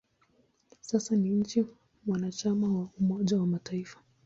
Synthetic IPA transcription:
sasaniɲ̩t͡ʃi | mwanat͡ʃamawaumɔʄawamataifḁ

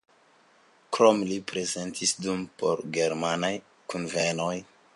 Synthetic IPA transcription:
kɾomlipɾe̞ze̞ntʰisdumpo̞̰ɾɡe̞ɾmanaj | kunveno̞j

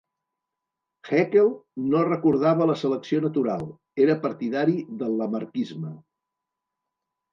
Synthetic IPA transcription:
xɛkelˠnorəkuɾð̞aβələsələksionət̪uɾalˠ | eɾəpəɾt̪iðaɾiðəlˠːəməɾkizmə

